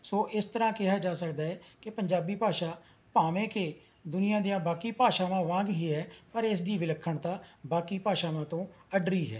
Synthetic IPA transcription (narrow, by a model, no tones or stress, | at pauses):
soːʔɪst̪əɾãːkɪɦaːd͡ʒaːsəkd̪aːɛːkɪpəɲd͡ʒaːbiːpaːʃaː | paːʋẽːkeː | d̪ʊnɪjãːd̪ijãːbaːkiːpaːʃaːʋãːʋãːɡɦiːɦɛːpəɾɪs̬d̪iːʋɪləkʰːəɳt̪ãːbaːkiːpaːʃaːʋãːt̪õːəɖɾiːɦɛ̰ː